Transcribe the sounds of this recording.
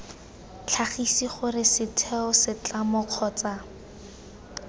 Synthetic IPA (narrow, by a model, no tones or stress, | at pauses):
t͡ɬʰaχisiχʊrɪsɪtʰɛɔsɪt͡ɬamɔq͡χʰɔːt͡sa